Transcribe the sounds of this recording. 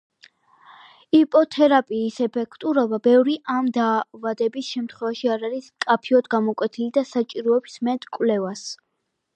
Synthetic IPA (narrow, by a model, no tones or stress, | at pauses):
ipʼɔt̪ʰɛɾapʼiːsɛpʰɛkʰt̪ʼuɾɔbabɛvɾiʔamd̪aːvad̪ɛbisʃɛmt̪ʰχwɛvaʃiaɾaɾiskʼapʰiɔd̪ɡamɔkʼwɛt̪ʰilid̪asat͡ʃʼiɾɔɛbismɛt̪ʼkʼwlɛvas